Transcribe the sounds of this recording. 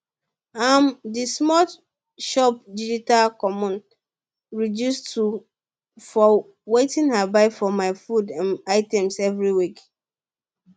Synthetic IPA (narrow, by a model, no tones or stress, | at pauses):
amdismɔt | ʃɔp̚did͡ʒitalkɔmɔ̃n | ɹidjustu | fɔ | wetĩnhabaɪfɔmaɪfudãnaɪtɛ̃msɛvɹiwik